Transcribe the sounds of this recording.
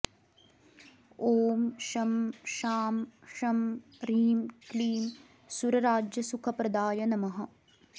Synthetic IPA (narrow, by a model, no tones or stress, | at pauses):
oːmʃɐmʃaːmʃɐm | ɾiːmkliːm | suɾɐɾaːd͡ʒjɐsukʰɐpɾɐd̪aːjɐnɐmɐɦɐ̆